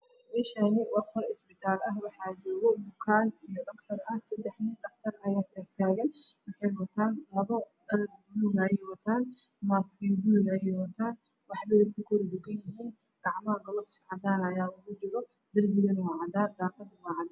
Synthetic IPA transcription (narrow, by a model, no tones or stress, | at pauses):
ʔɪʃɐnɪwɑkʰɔɾɪsbɪt̪ʰaːlɐɦwɑħɑːd͡ʒɔːɣɔmʊkʰaːnijɔʔɐkt̪ʰɐrɐhsɐd̪ɛħnɪnɐft̪ʰɐrɐjaːk̪ʰaːɾt̪ʰaːɣɐnwʊħɑjwɐt̪ʰaːnlɐβɐdɐlb̪ʊluɣɛjwɐt̪ʰaːn | maːskɛd̪uɣɛjɛwɐt̪ʰaːn | wɑħbɛjɐkʰʊkʰɔɾd̪ʊɡɐjjɪɦiːn | ɡ̪̥ɑʕmɐɐɡɐlɔfɪ̥sʕɑd̪aːnɐjaːʊɣʊd͡ʒɪɾɔ | d̪ɪrbɪðɐnwɑːʕɑd̪aːd̪aːqɑd̪wɑːʕɑd̪